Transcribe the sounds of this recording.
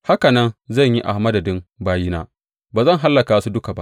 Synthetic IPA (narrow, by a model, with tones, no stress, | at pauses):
ha˦ka˨nɐ˦nzɐ˦˨ɲji˦ʔa̰˨hmɐ˦dɐ˨dɪ˦mbaː˦ji˦naː˦ | baː˨zɐ˦˨ŋɦa˦lːɐ˨kaː˨wsu˦dʊ˦ka˨ba̰˦ʔ